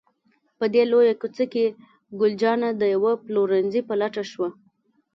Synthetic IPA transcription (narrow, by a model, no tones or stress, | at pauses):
pəd̪elojakut͡səke | ɡʊld͡ʒɑnad̪əjawaploɾanzipəlaʈaʃwa